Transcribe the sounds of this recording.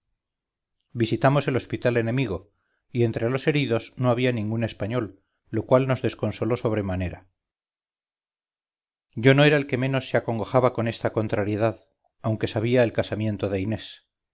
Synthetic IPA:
bisit̪amo̞se̞lo̞spit̪ale̞nẽ̞miɣo̞ | ie̞nt̪ɾe̞lo̞se̞ɾiðo̞zno̞aβianĩŋɡune̞spaɲo̞lː | o̞kwalno̞zðe̞sko̞nso̞lo̞so̞β̞ɾe̞mane̞ɾa | ɟ͡ʝo̞no̞e̞ɾaelke̞mẽ̞no̞sːeako̞ŋɡoxaβako̞ne̞st̪ako̞nt̪ɾaɾje̞ðað | awŋke̞saβiaelkasamjẽ̞nt̪o̞ðe̞ine̞s

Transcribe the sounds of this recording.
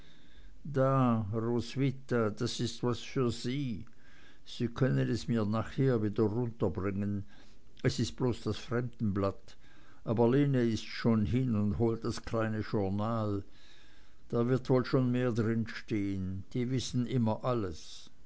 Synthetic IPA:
d̥aːʁoːsvɪtad̥asɪstvasfyːɐz̥iː | z̥iːkʰœnənɛsmiːɐnaːχheːɐviːdɐʁʊntɐbʁɪŋən | ʔɛsɪst̚b̥loːsd̥asfʁ̥ɛmd̥n̩blat | ʔaːbɐleːnəɪstʃoːnɦɪnʊndɦoːlt̚d̥askl̥aɪnəʃʊɐnaːl | d̥aːɐvɪɐtvoːlʃoːnmeːɐdʁɪnʃteːənd̥iːvɪsn̩ʔɪmɐʔaləs

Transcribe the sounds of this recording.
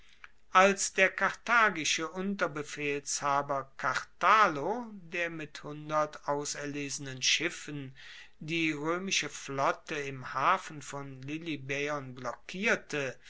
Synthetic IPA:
ʔalsd̥eːɐkʰaʁtaːɡɪʃəʔʊntɐbəfeːlshaːbɐkʰaʁtaːlodeːɐmɪthʊndɐtʔaʊsɛɐleːzənənʃɪfən | diːʁøːmɪʃəflɔtəɪmhaːfn̩fɔnlɪlibɛɔnblɔkʰiːɐtʰə

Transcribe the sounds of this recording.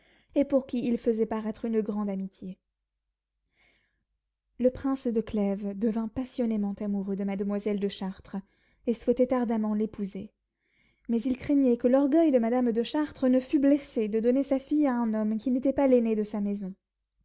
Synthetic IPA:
epuʁkʲiilfəzɛpaʁɛt̪χynɡʁɑ̃d̪amit̪je | ləpχɛ̃sd̪əklɛvd̪əvɛ̃pasjɔnemɑ̃t̪amuʁød̪əmad̪əmwazɛld̪əʃaʁt̪χ | eswɛt̪ɛt̪aʁd̪amɑ̃lepuze | mɛzilkχɛɲɛkəlɔʁɡœjd̪əmad̪amd̪əʃaʁt̪χənəfyblɛsed̪əd̪ɔnesafijaɛ̃nɔmkʲinet̪ɛpalened̪əsamɛzɔ̃

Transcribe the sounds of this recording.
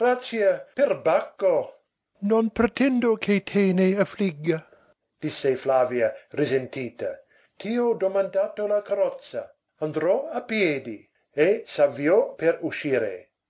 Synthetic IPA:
ɡ̥ɾat͡ʃjaperbakːo | nonpɾet̪ɛnd̪okʰet̪ʰeːneafliɡːa | d̪̥isːeflaːviarizent̪iːt̪a̰ | t̪iod̪omand̪aːt̪olakaɾɔt̪sa | and̪ɾɔapjeːd̪i | esavjɔpeɾuʃiːɾḛ

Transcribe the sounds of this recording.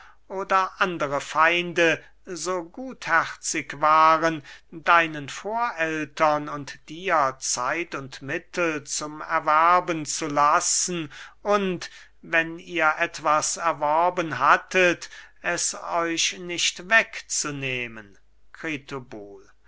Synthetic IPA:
ʔoːdɐʔandəʁəfaɪndə | zoːɡuːthæχt͡sɪkvaːʁəndaɪnənfoːɐʔɛltɐnʊntd̥iːɐt͡saɪtʊntmɪtl̩t͡sʊmɛ̰ɐvæɐbənt͡sulasn̩ʊnt | vɛniːɐʔɛtv̥asɛɐvɔɐbənɦatʰətʔɛsɔʏʃnɪʃtvɛkt͡suneːmən | kʁeːtʰoboːl

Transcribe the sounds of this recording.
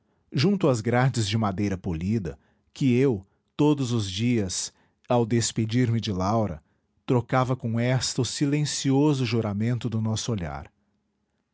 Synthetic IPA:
ʒũnt̪ʊɐzɡɾad͡ʒɪzd͡ʒɪmad̪ejɾɐpolid̪ɐ̰ | kɪew | t̪od̪ʊzʊzd͡ʒiɐs | awd̪esped͡ʒiɾmɪd͡ʒɪlawɾɐ̰ | t̪ɾokavɐkõɛst̪ɐʊsilẽsiozʊʒuɾamẽnt̪ʊd̪ʊnɔsʊoʎa̰ɾ

